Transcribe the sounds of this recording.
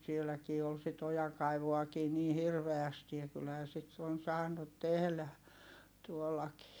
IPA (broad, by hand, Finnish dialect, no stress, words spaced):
sielækiː ol sit ojɑŋkɑiʋuɑkiː niː hirʋeæsti jɑ kylhæː sit on sɑːnut tehlæ tuolːɑkiː